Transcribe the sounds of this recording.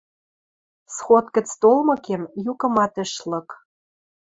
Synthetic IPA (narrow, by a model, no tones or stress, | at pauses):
sxot̪kə̆t͡st̪olmɤ̆kemjukɤ̆mɑt̪ɘ̆ʃlɤ̆k